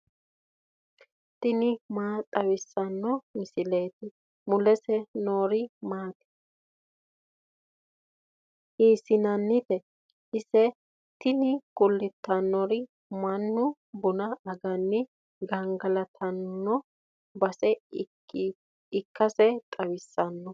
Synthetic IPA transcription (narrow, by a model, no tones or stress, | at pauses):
t̪ɪnɪmaːt̪ʼɐwɪsːɐnːɔmɪsɪleːt̪ɪ | mʊlɛsɛnoːɾɪmaːt̪ɛ̥ | hiːsɪnɐnːɪt̪ɛ | ɪsɛ | t̪ɪnɪkʊlːɪt̪ːɐnːɔɾɪ | mɐnːʊ | bʊnɐːɡɐnːɪ | ɡɐŋɡɐlɐt̪ʰɐnːɔ | bɐsɛ | ɪkːɐsɛt̪ʼɐwɪsːɐnːɔ